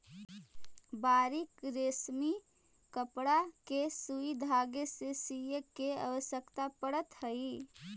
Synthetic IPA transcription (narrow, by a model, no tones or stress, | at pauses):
baːɾikɾeːsmi | kəpɽakesuid̪ʱaːɡesesijəkeə̰ʋəsjəkt̪apəɽət̪həi